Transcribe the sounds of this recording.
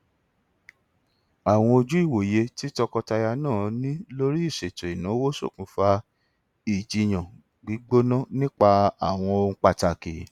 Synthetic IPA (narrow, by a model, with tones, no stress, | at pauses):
a˨w̃ɔ̃˧o˧d͡ʒu˦i˦˨wo˨je˧ti˦tɔ˧kɔ˧ta˧ja˧nãː˦˨nĩ˦lo˦ɾi˦i˦˨ʃe˨to˨i˨nã˨˦wo˦so̰˦˨kũ˨˦fa˧˦ | i˦˨d͡ʒi˨˧˨j̃ã˨ | ɡ͡bi˨˦ɡ͡bo˦nã˦nĩ˦k͡pa˧a˨w̃ɔ̃˧õ˧˦˧k͡pa˧ta˧ki˨